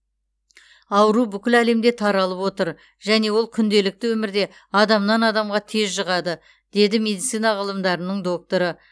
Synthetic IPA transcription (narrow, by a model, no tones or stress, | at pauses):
ɑwəɾubʏkʲɪlæle̞md̪e̞t̪ʰɑɾɑlˠəpwo̞t̪əɾ | ʒæne̞wo̞lˠkʲʰʏnd̪e̞lɪk̚t̪ɪwɵmɪɾd̪e̞ | ɑd̪ɑmnɑnɑd̪ɑmʁɑt̪ʰe̞zʒəʁɑd̪ə | d̪̥e̞d̪ɪme̞d̪it̪sijnɑʁəlˠəmd̪ɑɾənəɴd̪o̞k̚t̪o̞ɾə